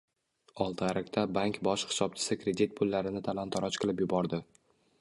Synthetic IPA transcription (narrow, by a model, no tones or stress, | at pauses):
ɒlˠt̪ʰaɾak̚ʲt̪ʰabaŋkʲbɒʃχɪ̥sɒp̚t͡ʃʰɪ̥sɪkɾe̞d̪ʲit̪̚pʰʊlːaɾɪnɪt̪ʰalant̪ʰɒɾɒt͡ʃqʰɨlˠɪpjʊbɒɾd̪ɪ